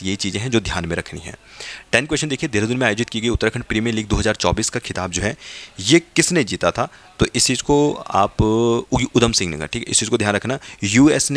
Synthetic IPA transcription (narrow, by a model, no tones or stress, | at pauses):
jeɦit͡ʃiːzẽɦɛ̃d͡ʒoːd̪ʱjaːnmẽɾɐkʰnḭɦɛ̰̃ːʈɛːnkwɛːʃənd̪eːkʰied̪eːɾd̪ʊnmẽaːjoːd͡ʒɪt̪kiɡəiʊt̪ːɾkʰəɽ̃pɾiːmijəɾliːɡ̚d̪oːɦɐzaːɾt͡ʃɔ̰ːbiːskakʰɪt̪aːb̚d͡ʒoːɦɛːjekɪsned͡ʒiːt̪at̪ʰat̪oʔɪst͡ʃiːzkoa̰ːp | ʊd̪əmsɪ̃ŋɡnɐ̰ɡə̰ʈʰiːkɛɪst͡ʃiːzkod̪ʱjaːnɾɐkʰnajuːeːsn